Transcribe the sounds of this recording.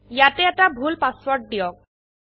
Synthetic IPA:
jatɛɛʈabʱulpaswɔɹʈ̚ɖijɔk̚

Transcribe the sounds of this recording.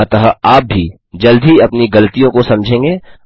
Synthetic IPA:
ɐt̪ɐɦaaːp̚bʱi | d͡ʒɐld̪ʱiɐpniɡɐlt̪ijõkosɐ̃md͡ʒʱẽːŋɡeː

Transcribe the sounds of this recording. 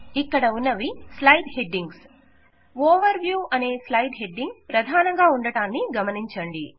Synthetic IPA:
ikːɐɽɐunːɐʋislɐjɖheɖːiŋɡs | ɔːʋɐɾʋjuːʔɐne̞ːslɐjɖɦeɖːiŋɡpɾɐd̪ʱaːnɐŋɡaːuɳɖɐʈaːnːiɡɐmɐniɲt͡ʃɐɳɖi

